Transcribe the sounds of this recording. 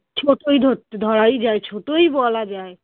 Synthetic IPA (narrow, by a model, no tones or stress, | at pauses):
t͡ʃʰoʈojd̪ʱot̪d̪ʱɔɽajd͡ʑaet͡ɕʰoʈojbɔlad͡ʑae